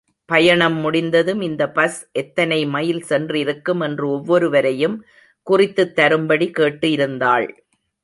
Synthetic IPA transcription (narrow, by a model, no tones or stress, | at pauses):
pɐjɐɳɐmːʊɽɪnd̪ɐðɯmɪnd̪ɐpɐsʔɛt̪ːɐnɐɪmɐjɪlsɛndrɪɾɯkːɯmɛndrɯɔʋːɔɾɯʋɐɾɐjɯm | kʊrɪt̪ːɯt̪ːɐɾɯmbɐɽikeːʈːɯjɪɾɯnd̪aːɭ